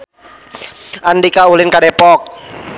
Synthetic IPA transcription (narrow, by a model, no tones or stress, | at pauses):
ʔandikaulɪnkadɛpɔk̚